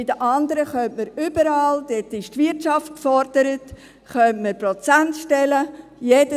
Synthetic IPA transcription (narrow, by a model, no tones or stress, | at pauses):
ɪd̥əʔɑnd̪əɾəχœntməɾʏbəɾɑːld̪̥etːɪʃtvɪɾtʃɑft̚kfɔɾd̥əɾət | χœntməɾpɾɔt͡sæntʃtɛləjeːd̥ə